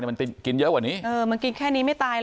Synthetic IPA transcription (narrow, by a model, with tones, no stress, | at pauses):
ji˨˩m˨˩t̪i˧˩mki˧˩nzəː˧˦˥kwaː˧˩ni˨˦˥ʔəː˧mi˨˩ŋki˧nkʰɛː˥˩niː˧maː˦˥˩jt̪aː˧j